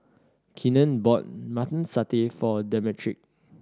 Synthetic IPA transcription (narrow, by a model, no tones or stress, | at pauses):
kʰĩnə̃nbɔt̚matə̃nsatefɔdɛmɛtʰɹḭk̚